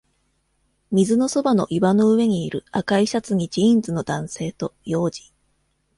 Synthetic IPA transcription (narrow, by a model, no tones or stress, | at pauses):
mʲizɨno̞so̞bano̞̰ʔibano̞ɯ̟βe̞ɲ̟iːɾɯ̟akaiɕat͡sɨɲ̟id͡ʑĩnd͡zɨno̞d̪ãɰ̃se̞ːt̪o̞jo̞ːd͡ʑi̥